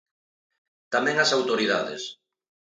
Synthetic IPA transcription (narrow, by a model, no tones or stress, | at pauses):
t̪amɛ̃ŋasawt̪oɾiða̰ðḛs